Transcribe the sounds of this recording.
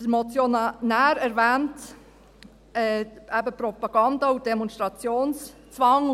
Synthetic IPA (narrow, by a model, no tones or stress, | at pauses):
mɔt͡sjonæːɾɛɾvɛːnt | ɛːæbəpɾɔpɑɡ̥ɑndɑud̥ɛmɔnstʁɑt͡sjoːnst͡svɑŋ